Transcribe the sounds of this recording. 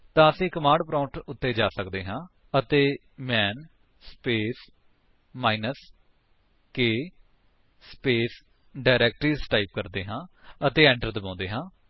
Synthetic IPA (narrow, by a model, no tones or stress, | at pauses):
t̪ãːəsĩːkəmãːɳɖpɾãːɳʈʊt̪ːeːd͡ʒaːsəkd̪eːɦãː | ət̪eː | mɛːn | speːs | maːinəs | keː | speːs | ɖaːɪɾɛːk̚ʈɾiːzʈaːip̚kəɾd̪eːɦãːət̪eːɛ̃ːɳʈəɾd̪əbãːnd̪eːɦãː